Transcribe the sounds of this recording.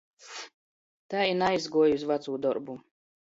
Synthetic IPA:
t̪aːinajzɡuɔjusvat̪suːd̪ɔɾbu

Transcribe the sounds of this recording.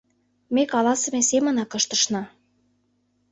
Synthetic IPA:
mekɑlɑsə̆mesemə̆nɑkɤ̆ʃt̪ə̆ʃnɤ̆

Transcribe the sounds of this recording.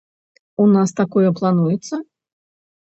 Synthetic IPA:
unast̪akɔjɛplˠanujɛt̪sːɐ

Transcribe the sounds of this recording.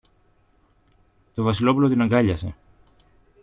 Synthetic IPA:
t̪o̞vɐsilo̞pulo̞t̪inɐŋɡɐʎɐse̞̰

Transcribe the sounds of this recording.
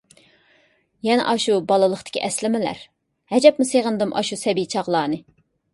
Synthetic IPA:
jɛnɛ̰ʔɑʃubɑlˠɨlˠəχt̪ʰɪ̥kʲʰḭʔɛslɪmɪlæ̰ɾ | hɛd͡ʒɛpmuseʁənd̪ɨmʔɑ̰ʃusɛbijt͡ʃʰɑʁlˠɑːnɨ

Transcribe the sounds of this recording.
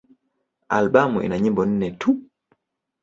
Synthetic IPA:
a̰lɓamuʔḭnaɲimbɔn̩nɛtu

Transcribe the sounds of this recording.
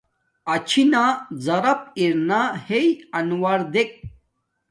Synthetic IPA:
ɐt͡ɕʰinazɐɾɐp̚iɾnahejɐnwaɾd̪ek̚

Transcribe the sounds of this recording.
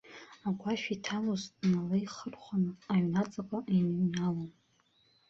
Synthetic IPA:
aɡʷaʃᶣitʰamuznalaiχərχʷanɨaɥnat͡sʼakʷʼaʔinɨɥnalon

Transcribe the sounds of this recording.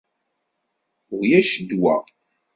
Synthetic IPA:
ʊʁjæʃəd̪wæ̰

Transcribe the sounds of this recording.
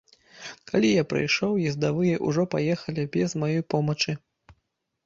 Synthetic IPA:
kalʲijapɾɨ̰jʂɔwjizd̪avɨjɛʔṵʐɔpajɛxɐlʲibʲɛzmajɔjpɔmɐt͡ʂɨ

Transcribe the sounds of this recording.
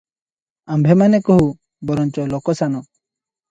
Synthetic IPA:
ambʱɛmanɛkɔɦu | bɔɾɔnt͡ʃɔlɔkɔsanɔ

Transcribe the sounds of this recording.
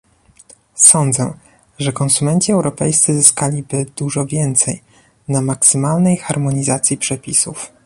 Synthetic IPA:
sɔnd̪zɛ̰ | ʐɛkɔnsumɛnt͡ɕiɛwɾɔpɛjst̪sɘzɘskalʲibɘd̪̥uʐɔvʲjɛnt̪sɛj | namaksɘmalnɛjxaɾmɔɲizat̪sʲjipʂɛpʲisuf

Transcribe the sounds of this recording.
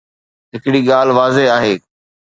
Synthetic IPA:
ɦɪkɪɽiːɠaːlʋaːzeaːɦeː

